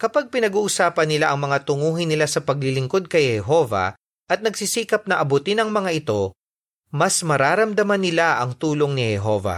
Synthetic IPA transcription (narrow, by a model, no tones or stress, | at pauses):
kɐpaɡ̚pɪnɐɡuːʔʊsaːpɐnːɪlaʔɐŋmɐŋat̪ʊŋuːɦɪnːɪlasɐpɐɡ̚lɪlɪŋko̞d̪̚kɐjhɛɦo̞vɐ̰ | ʔɐt̪̚nɐɡsisiːkɐp̚nɐʔɐbʊt̪ɪnɐŋmɐŋaʔɪt̪o̞ | mɐsmɐɾaːɾɐmd̪ɐmɐnːɪlaʔɐŋt̪uːlo̞ŋnɪhɛɦo̞vɐ̰